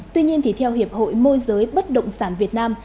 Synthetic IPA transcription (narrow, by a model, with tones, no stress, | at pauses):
t̪wi˧ɲi˧ənt̪ʰi˨˩t̪ʰɛ˧whi˨˩əp̚ho̰˧˨jmo˧jzəː˨˦jɓə˦˥t̚ɗə̰˧˨wŋ͡msaː˧˩nvi˨˩ət̚naː˧m